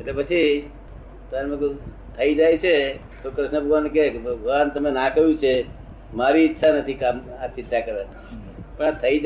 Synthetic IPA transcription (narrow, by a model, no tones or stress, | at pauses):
et̪lepət͡ʃʰi | t̪əɾmek | t̪ʰəid͡ʒajt͡ʃʰe | t̪okɾəsnabʱəɡʱʋankekbʱəʋant̪əmẽnakəɦjũt͡ʃʰe | maɾiːtːʃʰanət̪ʰikamat͡ʃɪt̪ːakəɾe | pə̃at̪ʰəid͡ʒ